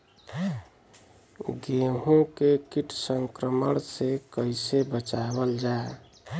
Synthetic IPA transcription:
ɡeɦõkekiʈʰsəŋkɾəməɽ̃sekəɪsebət͡ʃabəld͡ʒae

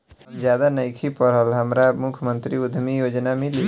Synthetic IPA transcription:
d͡ʒjaːd̪anəɪkʰipəɾɦəlɦəmɾamʊkʰjmə̃nt̪ɾiʊd̪ʱmijoːd͡ʒnamɪ̃li

